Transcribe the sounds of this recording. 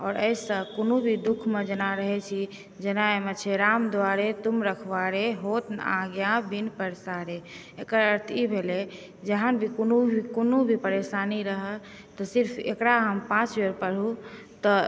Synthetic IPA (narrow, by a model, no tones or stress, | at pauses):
ɔːɾə̰ɪsə̃konubʱid̪ukʰmed͡ʒənaɾəɦɛt͡ʃʰi | d͡ʒenaemet͡ʃʰeɾamd̪waɾet̪umɾəkʰʋaɾeɦot̪na̰ɡjãbinpəɾsaɾe | ekəɾəɾt̪ʰibʱele | d͡ʒəɦanbʱikonuikonubʱipəɾeʃaniɾəɦə | t̪ɔsiɾpʰḛkɾaɦəmpãt͡ʃjeɾpəɽ̤ut̪ɔ